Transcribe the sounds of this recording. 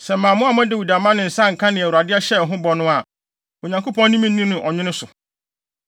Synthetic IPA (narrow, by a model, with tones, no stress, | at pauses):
sɛ˨mã˨mʊ̃˦a˨mã˦dɪ˦˨wu˨da˨mã˦nʊ̃˨n̩˨sã˦ŋ̩˨kʰã˦nɪ̃˨æ˨wu˨ɾa˨dɪ˦a˦ɕɛ˦˨ɦʊ̃˦bɔ˨nʊ̃˦a˨ | o˨ɲã˨ŋkʰo˦pʰɔ̃˦nĩ˦mĩ˦ũ˦nʊ̃˨˦ʔɔ˨ɲɪ̃˦nɪ̃˦sʊ˨